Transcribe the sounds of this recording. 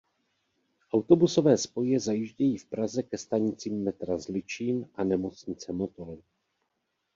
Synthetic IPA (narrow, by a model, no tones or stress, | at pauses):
ʔawt̪o̞buso̞vɛːspo̞jɛzajɪʒɟɛjiːfpɾazɛkɛst̪aɲɪt͡siːmːɛt̪ɾazlɪt͡ʃiːnʔanɛmo̞t͡sɲɪt͡sɛmot̪o̞lɪ